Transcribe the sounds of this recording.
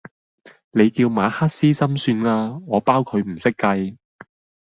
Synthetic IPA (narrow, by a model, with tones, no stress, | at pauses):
ne˨˧jkiː˧wmaː˨˧haː˥t̚siː˥sɐ˥msyː˧naː˧ŋɔː˨˧paː˥wkʰɵ˨˧ɥm̩˨˩sɪ˥kːɐ˧j